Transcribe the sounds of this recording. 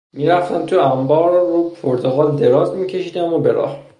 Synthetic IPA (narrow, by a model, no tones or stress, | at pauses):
miːɾæft̪ʰæmt̪ʰuæmbɒːɾːupʰoɾt̪ʰoɣɒːld̪e̞ɾɒːzmiːcʰe̞ʃiːd̪æmobe̞ɾɒ̰ːh